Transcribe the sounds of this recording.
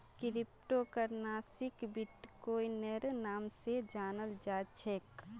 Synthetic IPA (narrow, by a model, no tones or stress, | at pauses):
kɪɾɪp̚ʈokəɾnaːsɪkbɪʈkoːineɾnaːmsed͡ʒaːnəld͡ʒaːt͡ʃʰek